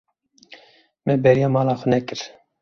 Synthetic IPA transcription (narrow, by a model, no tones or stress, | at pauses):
mɛbɛɾjɑːmɑːlɑːxonɛkɨɾ